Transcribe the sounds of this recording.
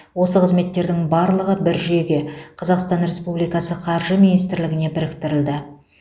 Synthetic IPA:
wo̞səqʰəzme̞t̪ːe̞ɾd̪ɪŋbɑɾlˠəʁəbɪɾʒeɡʲe̞qʰɑzɑqst̪ɑnɾʲe̞spublˠijkɑsəqʰɑɾʒəminijst̪ɪɾlɪɡʲɪnebɪɾɪk̚t̪ɪɾɪld̪ɪ

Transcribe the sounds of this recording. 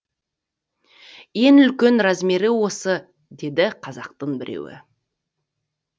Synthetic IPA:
je̞nʏlkʲe̞nɾazmeɾɪwo̞sə | d̪e̞d̪ɪqʰɑzɑq̚t̪əɴbɪɾḛwɪ̰

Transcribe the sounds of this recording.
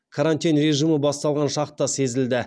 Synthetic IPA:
kʰaɾant̪inɾe̞ʒiməbɑst̪ɑlˠʁɑnʃɑqt̪ːɑse̞zɪld̪ɪ

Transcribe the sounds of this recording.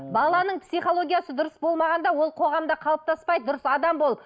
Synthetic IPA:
bɑlˠɑnəɴpsijχo̞lˠo̞ɡʲijasəd̪ʊɾəsbo̞lˠmɑʁɑnd̪ɑwo̞lˠqʰo̞ʁɑmd̪ɑqʰɑlˠp̚t̪ʰɑspɑjd̪əd̪ʊɾəsɑd̪ɑmbo̞lˠəp

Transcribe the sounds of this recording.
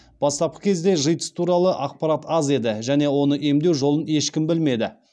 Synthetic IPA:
b̥ɑst̪ɑp̚qə̥kʲʰe̞zd̪e̞ʒəjt̪ə̥st̪ʰuɾɑlˠəʔɑq̚pɑɾat̪ɑze̞d̪ɪʒæne̞wo̞nəʔe̞md̪e̞wʒo̞lˠəne̞ʃkʲɪmbɪlme̞d̪ɪ

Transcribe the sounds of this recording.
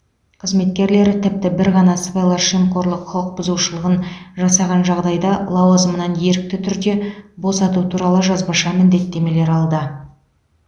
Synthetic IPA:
qʰəzme̞t̪̚kʲe̞ɾle̞ɾt̪ʰɪp̚t̪ɪbɪɾʁɑnɑsəbɑjlˠɑɾʃimko̞ɾlˠəqʰʊlˠəq̚bʊzuʃəlˠəʁənʒɑsɑʁɑnʒɑʁd̪ɑjd̪ɑlˠɑwɑzəmənɑnje̞ɾɪk̚t̪ɪt̪ʰʏɾd̪e̞bo̞sɑt̪ut̪ʰuɾɑlˠəʒɑzbɑʃɑmɪnd̪e̞t̪ːe̞me̞le̞ɾɑlˠd̪ə

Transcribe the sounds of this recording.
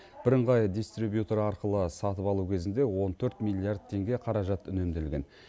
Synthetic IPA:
b̥ɪɾəɴʁɑjd̪ist̪ɾibjut̪eɾɑɾqəlˠəsɑt̪əpɑlˠukʲʰe̞zɪnd̪e̞wo̞nt̪ʰɵɾt̪mʲilʲˠːijard̪̚t̪ʰːe̞ŋɡʲe̞qʰɑɾɑʒɑt̪ʏne̞md̪elɡʲe̞n

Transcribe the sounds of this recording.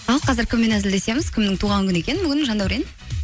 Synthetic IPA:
ɑlˠqʰɑzɪɾkʲʰɪmːe̞næzɪld̪e̞se̞mɪz̥kʲʰɪmnɪŋt̪ʰuʁɑŋkʲʰʏnekʲe̞nɪbʏɡʲɪnʒɑnd̪ɑwɾen

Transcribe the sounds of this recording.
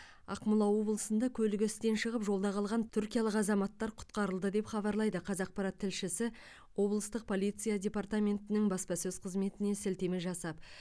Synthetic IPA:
ɑ̰qmʊlˠɑwo̞blˠəsənd̪ɑkʲʰɵlɪɡʲɪst̪e̞nʃəʁəpʒo̞lˠd̪ɑqʰɑlˠʁɑnʰʏɾkʲijɑlˠəqɑzɑmɑt̪ːɑɾqʰʊ̥t̪qɑɾəlˠd̪əd̪e̞pχɑβɑɾlˠɑjd̪əqʰɑzɑq̚pɑɾɑt̪ʰːɪlʃɪsɪ | wo̞blˠəst̪əq̚pʰo̞lʲijt̪sɨjadʲe̞part̪amʲe̞nt̪ɪnɪŋbɑspɑsɵz̥qʰəzme̞t̪ɪne̞sɪlt̪e̞mɪʒɑsɑp̚

